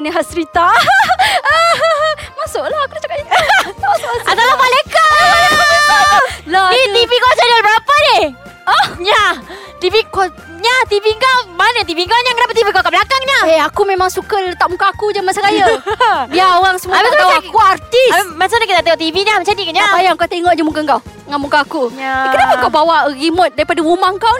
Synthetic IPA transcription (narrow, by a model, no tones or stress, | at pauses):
niɦasɾit̪a | ə | masʊʔlahkuɾat͡ʃakaiaat̪alamalajka | lait̪ivikoasadiləbəɾapanih | əɲa | t̪iviko | ɲat̪iviŋkawmanət̪̬iviŋkawɲakənapat̪̬ivikawkablakaŋɲaeakumemaŋsukəlt̪aʔmũkaːkud͡ʒamasaɣajabiaoɣaŋsəmuabat̪akuart̪ismasaɲakit̪at̪aŋoʔt̪iviɲat͡ʃadikɲapajaŋkat̪eŋɔʔd͡ʒamukəŋkaw | ŋamukaːkukənapakawbawaɣimʊt̪̚daɾipadawumaŋkaw